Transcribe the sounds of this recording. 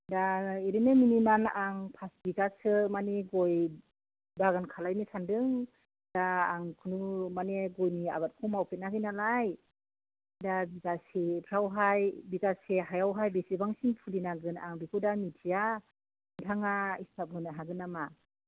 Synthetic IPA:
daeɾinɯminimanaŋpʰasbikasɯmaneɡɔj | baɡɯnkʰalajnisʰandɯŋ | daːŋkʰunumaneɡɔjnia̰bat̚kʰɔmawpʰet̚naɡɯnalaj | dabiɡasepʰɾawɦajbiɡaseɦajawɦajbesibaŋsinpʰulinaɡɯna̰ŋbikʰudamitʰija | ntʰaŋaistʰap̚ɡɯnaɦaɡɯnama

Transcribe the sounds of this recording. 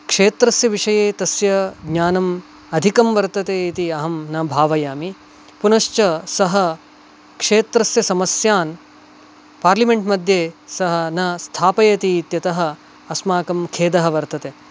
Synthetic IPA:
kʂeːt̪ɾɐsjɐʋiʂɐjeːt̪ɐsjɐɡɲaːnɐm | ɐd̪ʱikɐmʋɐɾt̪ɐt̪eːit̪iɐɦɐmnɐbʱaːʋɐjaːmi | punɐʃt͡ʃɐsɐɦɐ | kʂeːt̪ɾɐsjɐsɐmɐsjaːn | paːɾlimeɳʈmɐd̪ʱjeːsɐɦɐ̆nɐst̪ʰaːpɐjɐt̪iːt̪jɐt̪ɐɦɐ̆ | ɐsmaːkɐmkʰeːd̪ɐɦɐ̆ʋɐɾt̪ɐt̪eː

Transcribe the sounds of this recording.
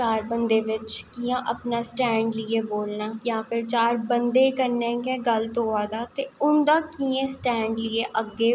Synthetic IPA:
aːɾbənd̪eːʋɪt͡ʃkijãːʔəpnaːsʈɛ̃ːɳɖlɪeːboːlnaːjãːpʰɪɾt͡ʃaːɾbənd̪eːkəɾnẽːkẽːɡəlt̪oːaːd̪aːt̪eːʊnd̪aːkiːẽːsʈɛ̃ːɳɖlɪeːʔəɡːeː

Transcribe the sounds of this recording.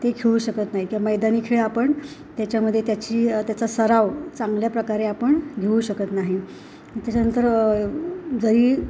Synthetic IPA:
t̪eɡʰʱeʋũɕəkət̪naɦikĩʋaməjd̪aniːkʰeɭeapəɳt̪jat͡ɕjaməd̪ʱːjet̪jat͡ɕiːt̪jat͡sasəɾaʋt͡saŋɡljapɾəkaɾeapəɳɡʱeũɕəkət̪naɦi | t̪jat͡ɕanənt̪əɾ | d͡zəɾiː

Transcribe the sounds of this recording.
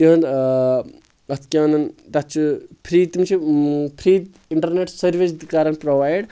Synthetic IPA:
iɐn | ɐt̪kʲãːnɐnd̪att͡ʃʰupʰɾit̪imt͡ʃʰipʰɾiːt̪ | iɳʈɐɾneʈsɐɾʋisd̪ikaːɾɐnpɾoʋaːjɖ

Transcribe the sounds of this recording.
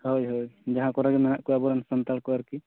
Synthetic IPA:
hojɦojd͡ʒaɦãkɔɾaɡɛmɛnaʔkɔabɔɾansɔnt̪alkɔaɾki

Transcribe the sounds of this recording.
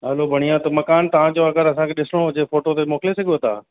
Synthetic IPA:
ɐlobʱɐɽ̃ijãt̪ɐmɐkaːnt̪ɐʋ̤ãd͡ʑoːɐɡəɾɐsãkʰeɗɪsɪɽ̃od͡ʑeːfoːʈot̪emoːkɪlesɐɠiot̪a̰ː

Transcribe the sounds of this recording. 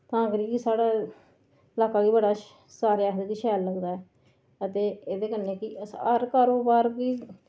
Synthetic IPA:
t̪ãːkɾiːkisaːɽaː | ɪlaːkaːɡiːbəɽaː | saːɾjaːekiʃɛːlːəɡd̪aːɛː | ət̪eːeːd̪eːkənːeːkɪəsã̰ɾkaːɾoːbaːɾkiː

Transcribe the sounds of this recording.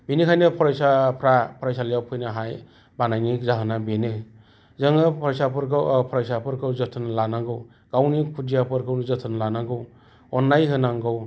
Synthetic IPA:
binikʰajnɯpʰɔɾjsapʰɾapʰɾajsalɯjawpʰɯjnaɦaj | banajnikzaɦɯnabenɯ | zɯŋɯpʰsapɯɾkpʰɔɾajsapʰɯɾkʰɯwzɔtʰɯnlanaŋɡɯw | ɡ̥awnikʰud͡ʒijapʰɯɾkʰɯwnizʌtʰɯnlanaɡɯw | ɔnːajɦɯnaŋɡɯw

